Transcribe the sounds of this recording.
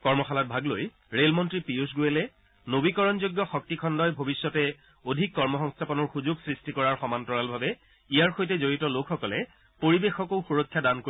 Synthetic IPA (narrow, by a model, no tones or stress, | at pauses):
kɔɹmɔxalɔt̚bʱaɡloj | ɹelmɔntɹipius̬ɡujɛlɛ | nobikɔɹɔnzoɡːɔxɔk̚tikʰɔndɔjbʱobisːɔtɛ | odʱikːɔɹmɔxɔŋstʰapɔnɔɹxuzʊɡsɹistikɔɹaɹxɔmantɔɹalbʱabɛ | ijaɹxojtɛzoɹitɔlokʰxɔkɔlɛ | poɹibexɔkoʊxuɹɔkʰːjadanko